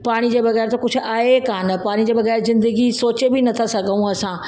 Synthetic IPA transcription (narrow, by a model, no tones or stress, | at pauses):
paːɽ̃id͡ʑeːbɐɣɛːɾt̪okʊd͡ʑʱʊ̆aːɦekaːnɐpaːɽ̃id͡ʑeːbɐɣɛːɾzɪ̃nd̪əɡisoːt͡ɕebɪnɐt̪ʰasɐɡʱəũɐsã